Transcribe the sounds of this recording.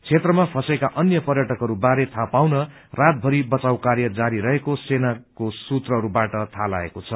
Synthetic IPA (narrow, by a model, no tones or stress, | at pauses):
t͡sʰet̪rʌmapʰʌsekaʔʌnjʌpʌrjʌʈʌkɦʌɾubaɾet̪ʰapawnʌ | rat̪̚bʱʌɾibʌt͡sawkaɾjʌd͡zaɾiɾʌɦekosenakosut̪rʌɦʌɾubaʈʌt̪ʰala̰ḛkot͡sʰʌ